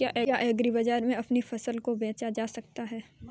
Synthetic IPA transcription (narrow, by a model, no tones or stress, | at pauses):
aːʔɛjaʔɛːɡɾibɐd͡ʒaːɾmẽɐpnifɐsəlkobɛ̃ːt͡ʃad͡ʒaːsɐk̚t̪aɦɛː